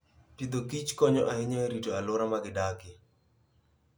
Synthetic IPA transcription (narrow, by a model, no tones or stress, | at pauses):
tid̪okit͡ʃkɔɲɔʔaɪɲaɾitoalʊɾamaɡɪdakɪ